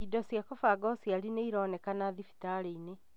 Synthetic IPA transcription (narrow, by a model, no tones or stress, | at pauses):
idɔsjakɔfaɡɔsiaɾineiɾɔːnɛkanaðifi̥taɾeine